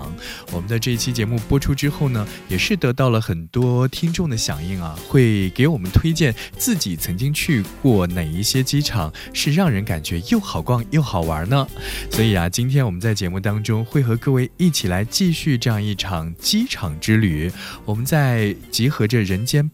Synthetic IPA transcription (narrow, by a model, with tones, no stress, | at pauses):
ŋwɔ˨˩mə˦nd̪ə˧ʈ͡ʂɤ˥˧i˥˩t͡ɕʰi˥t͡ɕjɛ˧˥mu˥˩pwɔ˥ʈ͡ʂʰu˥ʈ͡ʂɻ̩˥xo˥˩ʊnə˩jɛ˨˩ʂɻ̩˥˩t̪ɤ˧˥t̪ɑ˥˩ʊlə˩xə˨˩nt̪wɔ˥t̪ʰi˥ŋʈ͡ʂʊ˥˩ŋd̪ə˩ɕjɑ̰˨˩ŋi˥˩ŋa˩xwe˥˩ɪke˧˥ɪwɔ˨˩mə˦nt̪ʰwe˥ɪt͡ɕjɛ˥˩nt͡sɹ̩˥˩t͡ɕi˨˩t͡sʰɤ˧˥ŋt͡ɕi˥ŋt͡ɕʰy˥˧kwɔ˥˩ne˨˩ɪi˥˩ɕjɛ˥t͡ɕi˥ʈ͡ʂʰɑ˨˩˦ŋ | ʂɻ̩˥˧ɻɑ˥˩ŋɻə˧˥nka˨˩nt͡ɕɥɛ˧˥jo˥˩ʊxɑ˨˩ʊkwɑ˥˧ŋjo˥˩ʊxɑ˨˩ʊə̰˞˧˥nə˧swɔ˧˥i˨˩ɐ˦t͡ɕi˥nt̪ʰjɛ˥nwɔ˨˩mə˦nt͡sa˥˩ɪt͡ɕjɛ˧˥mu˥˩t̪ɑ˥ŋʈ͡ʂʊ˥ŋxwe˥˩ɪxɤ˧˥kɤ˥˧we˥˧ɪi˥˩t͡ɕʰi˨˩la˧˥ɪt͡ɕi˥˧ɕy˥˧ʈ͡ʂɤ˥˧jɑ˥˧ŋi˥˩ʈ͡ʂʰɑ˨˩ŋt͡ɕi˥ʈ͡ʂʰɑ˨˩ŋʈ͡ʂɻ̩˥ly˨˩˦wɔ˨˩mə˦nt͡sa˥˩ɪt͡ɕi˧˥xɤ˧˥ʈ͡ʂə˧ɻə˧˥nt͡ɕjɛ˥n